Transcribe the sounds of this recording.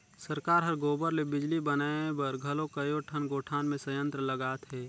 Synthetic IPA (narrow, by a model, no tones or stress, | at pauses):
səɾkaːɾɦəɾɡoːbəɾlebɪd͡ʒlibənaːbəɾɡʱɐlokəjoʈʰənɡoːʈʰaːnmẽsəjə̃nt̪ɾələɡaːt̪ɦɛː